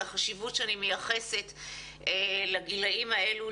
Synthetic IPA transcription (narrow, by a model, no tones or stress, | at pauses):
aχaʃivutʃeanimejaχe̞se̞t | elaɡilaʔimae̞lu